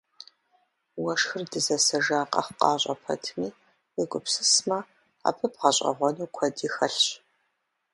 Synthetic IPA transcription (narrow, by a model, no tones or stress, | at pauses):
wɐʂxɨrdɨzɐsɐʒaːqʼɐ̰χqɑːɕʼɐ̰pʰɐ̰tʰmiː | wɪɡʷʊpsɨsmɐ | a̰ːpʰɨpʁɐɕʼɐ̰ʁʷɔnuːkʷʰɔdiːxɐɬɕ